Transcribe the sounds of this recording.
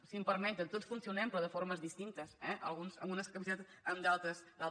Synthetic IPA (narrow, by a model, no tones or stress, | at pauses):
simpɐɾmɛ̃nt̪ət̪ot̪sfunsiunɛmpɾɔðəfoɾmɐzðist̪int̪ɐsɛʔɐ̰lˠɣunsɐ̰lˠɣunɐskɐmizet̪ | ɐmd̪alˠt̪ɐsd̪alˠ